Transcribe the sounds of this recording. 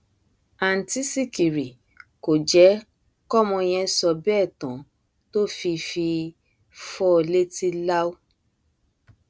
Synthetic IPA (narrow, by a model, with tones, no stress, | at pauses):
a˨n̩˨ti˦si˦˨ki˨ɾi˨ | ko˨d͡ʒɛ˨˦ | kɔ˦mɔ̃˧j̃ɛ̃˧sɔ˧bɛ˦˨tɔ̃˨ | to˦fi˧fi˧ | fɔ˦˧le˦ti˦la˦o˦